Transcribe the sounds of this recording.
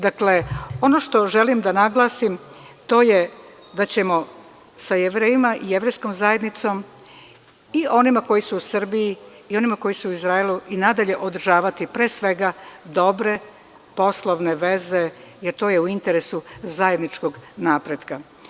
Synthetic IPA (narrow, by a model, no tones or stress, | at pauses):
d̪akle̞o̞no̞ʃt̪o̞ʒe̞limd̪anaɡlˠasim | t̪o̞ːje̞ | d̪at͡ɕe̞mo̞ | sajeʋɾeːjimaʔije̞ʋɾe̞jsko̞mzaje̞d̪nit̪so̞m | iʔo̞nimako̞jisuusr̩biji | io̞nimako̞jisuuizɾaelˠuinad̪aʎe̞ʔod̪rʒaːʋat̪ipɾeːsʋe̞ɡad̪o̞bɾe̞ | po̞slˠoʋne̞ʋe̞ze̞ | jeɾt̪o̞ːjeuint̪eɾesuzaje̞d̪nit͡ʃkoɡnaːpɾed̪ka